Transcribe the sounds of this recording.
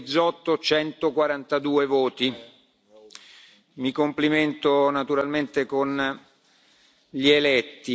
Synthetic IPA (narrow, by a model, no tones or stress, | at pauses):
d̪zːɔt̪ːot͡ʃɛnt̪okwaɾant̪ad̪uːevoːt̪i | mikompliment̪onat̪uɾalment̪ekon | ʎielɛt̪ːi